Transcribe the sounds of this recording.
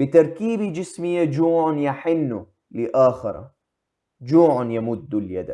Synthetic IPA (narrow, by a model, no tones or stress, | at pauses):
bɪt̪ɑɾˤkiːbid͡ʒɪsmɪjːad͡ʒuːʕʊnjaħɪnːu | lɪʔaːxɪ̰ɾˤa̰ | d͡ʒuːʕanjamʊd̪ːuljad̪a̰